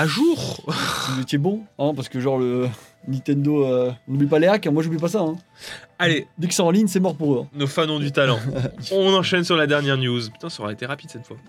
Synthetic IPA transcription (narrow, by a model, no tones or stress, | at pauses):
aʒuːʁ | uzet̪ɛbɔ̃ɛ̃paʁsə̥kəʒɑ̃ʁlə | nĩt̪ɛ̃nd̪oøɔ̃nublipaleakɛ̃mwaʒublipasaɛ̃ | aled̪eki̥sɛ̃ɑ̃liɲsɛmɔʁpuʁøɛ̃nofanɔ̃d̪yt̪alɑ̃ɔ̃nɑ̃ʃɛnsyʁlad̪ɛʁnjɛʁnjuzpy̥t̪ɛ̃soʁaet̪eʁapid̪sɛt̪fwa